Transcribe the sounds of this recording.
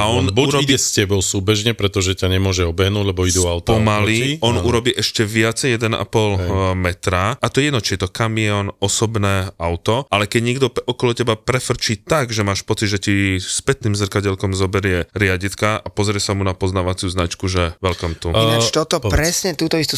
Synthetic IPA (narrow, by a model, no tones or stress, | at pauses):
aɔnbuɾɔiɛscɛbɔʊsuːbɛʒɲɛpɾɛt̪ɔʒɛcaɲɛmʊɔʒɛɔbɛɦnuːɟlɛbɔid̪uawt̪ɔmaliɔnuɾɔbiːʔɛʃcɛʋɪat͡sɛjɛd̪ɛna̰pɔlmɛt̪ɾaat̪ɔjɛd̪nɔt͡ʃiɛt̪ɔkamiɔnɔsɔbnɛːaʊt̪ɔalɛkɛɟɲɛɡd̪ɔɔkɔlɔcɛbapɾɛfr̩t͡ʃiːt̪aɡʒɛmaːʃpɔt͡sid̪ʒɛcispɛt̪niːmzr̩kaɟɛlkɔmzɔbɛɾɪɛɾɪaɟit̪kaʔapɔzɾɪɛsamunapɔznaːʋat͡sɪuznat͡ʃkuʒɛʋɛlkɔmt̪uat͡ʃt̪ɔt̪ɔpɾɛsɲɛt̪uːt̪ɔist̪u